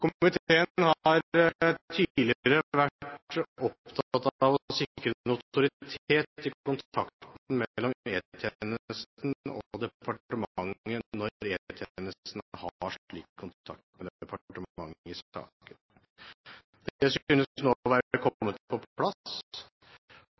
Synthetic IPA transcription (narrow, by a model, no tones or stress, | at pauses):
kʰʊmmɪt̪ʰeːənnhɑɑɾt̪ʰid̪lɪəɾəʋæʈɔpt̪ʰɑɑt̪ɑʋɔsɪkkːɾənat̪ʊɾɪt̪ʰeːt̪ɪkʊnt̪ʰɑkt̪n̩mɛlːɔmeːt̪ʰjenəəst̪n̩ɔd̪ɛpʰɑʈʈəmɑŋːənɔɾɾeːt̪ʰjenəst̪nhɑʂɭiːkkʰːʊnt̪ʰɑk̚t̪mɛd̪ɛpɑʈəməmɑŋːɪsɑ̰ːkkən | d̪̥ɛəsʏnːənoːʋæːɾəkʰɔmːət̪̚pʰɔpʰlɑs